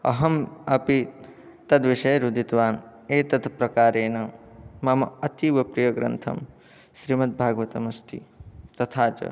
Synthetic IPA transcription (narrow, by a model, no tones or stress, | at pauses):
ɐ̰ɦɐmɐpi | t̪ɐd̪ʋiʃɐjɾud̪ʱit̪ʋaːneːt̪ɐt̪ʰɐpɾɐkaːɾeːnɐmɐmɐɐt̪iʋɐpɾijɐɡɾɐ̰nt̪ʰɐ̰m | ʃɾimɐt̪̚bʱaːɡʋɐt̪ɐmɐst̪ʰḭt̪ɐt̪ʰaːt͡ʃɐ̰